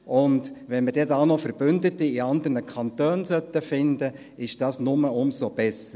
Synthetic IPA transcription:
ʔʊndʋɛnməɾdɛtaʊnɔfəɾb̥ʏndətiɪɑnd̪ərnəkʰɑnt̪øːnsœt̪ːəfɪnd̪ə | ɪʃd̥ɑːsnʊməʊmsob̥ɛsə

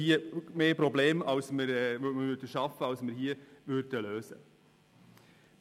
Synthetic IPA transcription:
iəmeːpɾɔbleːmɑlsməɾɛməvʏɾdəʃɑfəɑlsməɾhiəʋʏɾdəløːsə̰

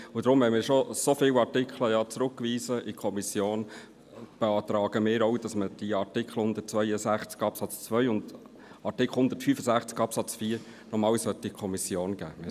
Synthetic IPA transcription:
ʊd̪ɾʊmʋɛmɪːɾʃosofɪːwɑɾtɪkχləjɑːt͡sɾʊkːʋiːsəʔɪkʰɔmisjoːn | b̥ɛɑːt̪ɾɑːɡ̥əmɪːɾɔwd̥ɑsməd̥iɑɾtɪkʰχl̩hʊnd̪ət̚t͡svœjəsæχt͡skɑpsɑt͡st͡sʋœʏʊnd | ɑɾtɪkʰl̩hʊnd̪ətfyːfəsæχt͡skɑpsɑt͡sfiːɾ | nɔmɑːwsœt̪ːikʰɔmisjoːnɡ̥æ̰ːm

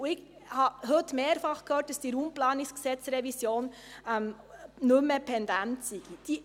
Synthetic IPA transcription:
uɪɡ | hɑɦɵtmeːɾfɑχkʰhøːt̚d̥ɑsd̥iɾuːmplɑːnɪsksɛt͡sɾɛvisjoːn | ɛm | nɵmːəpʰɛndæntsiɡ̥id̥i

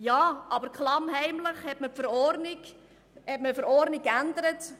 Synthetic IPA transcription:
jɑːʔɑbəɾkʰχlɑmɦɛɪmləχhɛtməpfəɾɔɾnɪɡ | hɛtməfəɾɔɾnikːændəɾət

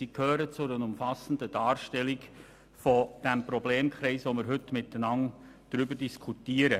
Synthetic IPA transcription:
siːkʰhøːɾət͡sʊɾənʊmfɑsən̩dəd̥ɑːɾʃtɛlik | fɔd̥æmpɾɔbleːmkʰɾɛɪsʋomɪɾɦɵtːmɪtːənɑn | d̥ɾʏbəɾdiskʰutiəɾə

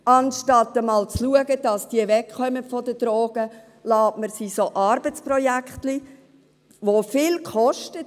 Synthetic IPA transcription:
ɑnʃtɑtːəmɑːlt͡sluəɡəd̥ɑsd̥iəvɛkχœməfɔdəd̥ɾoːɡ̥ə | lɑːtməɾsiːsoʔɑɾb̥ət͡sprɔjækχtli | ʋofɪːlkχɔʃtət

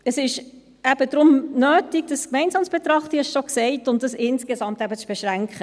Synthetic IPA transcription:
əsɪʃ | æb̥əd̥ɾʊmnøːtiɡ̚dəskmɛɪnsɑːmsb̥et̪ɾɑχtihɛʃʃoksɛɪtʊntdəsɪnskesɑmtæbət͡sb̥eʃʁæŋkχə

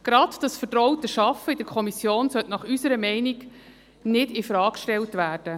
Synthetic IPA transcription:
ɡ̥ɾɑdd̥ɑsfəɾdɾɔʊtəʃɑfəɪd̥əɾkʰɔmisjoːnsœtnɑχysəɾəmɛɪniɡ | nɪdifɾɑːkkʃtɛltʋæːrd̥ə

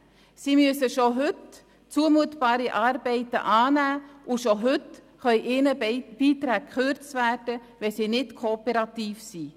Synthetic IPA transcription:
siːmyəsəʃoɦʏt | t͡suəmuətbɑːɾiʔɑːɾbɛɪtə̰ʔɑːnæːuʃoɦʏt | χœʏʔɪnəb̥iːt̪ɾæːk̚kχøɾt͡stvæːrd̥ə | ʋɛsiːnɪtkʰoːpɛɾɑt̪iːfsi

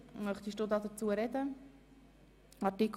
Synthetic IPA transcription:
mœχt̪iʃtod̪ɑdət͡suəɾɛdə | ɑtik

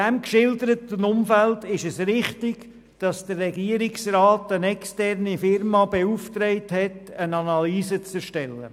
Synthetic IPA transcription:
ɛmkʃɪldəɾətənʊmfældɪʃɛsɾɪχtɪɡ̥ | d̥ɑsd̥ərːɛɡiəɾɪksrɑːtənɛkstɛrnifɪrmɑbeuftɾɛɪthɛtənɑnɑlyːsət͡sɛʃtɛlːə̰

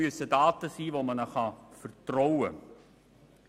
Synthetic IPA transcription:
yəsədɑːtəsiːʋoːmənəχɑfərtrɔwə̰

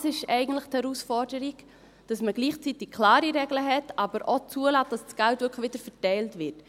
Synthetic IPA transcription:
sɪʃɛɪɡən̩tləχthɛɾusfɔɾdəɾiɡ̥ | d̥ɑsməɡliːχt͡sitɪk̚kʰlɑːɾiɾɛɡləɦɛtɑbəɾʔot͡suəlɑːt̚d̥ɑssɡ̥æltʋʏkχʋɪdəɾfətɛɪltvɪt

